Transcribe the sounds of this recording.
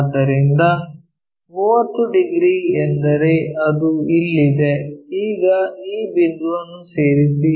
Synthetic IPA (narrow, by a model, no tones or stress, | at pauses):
d̪ɐɾind̪ɐ | muːʋɐt̪ːuɖiɡɾiend̪ɐɾe̞ɐd̪uilːid̪e̞iːɡɐiːbind̪uʋɐnːuse̞ːɾisi